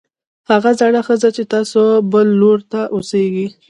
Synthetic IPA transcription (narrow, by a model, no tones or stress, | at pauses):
haɣazaɽaxəzat͡ʃet̪ɑsobəlːoɾt̪aʔoseɡi